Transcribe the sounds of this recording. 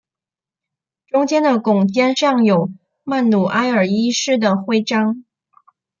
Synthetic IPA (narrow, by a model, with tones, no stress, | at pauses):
ʈ͡ʂʊ˥ŋt͡ɕjɛ˥nd̪ə˨kʊ˨˩ŋt͡ɕjɛ˥nʂɑ˥˩ŋjo˨˩ʊ | ma˥˩nlu˨˩ʔa˥ɪə˞˨˩i˥ʂɻ̩˥˩d̪ə˩xwe˥˩ɪʈ͡ʂɑ˥ŋ